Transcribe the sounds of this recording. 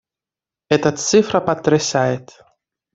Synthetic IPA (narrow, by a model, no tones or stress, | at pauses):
ɛt̪ɐt̪sɨfɾɐpɐt̪ːɾɪsajɪt̪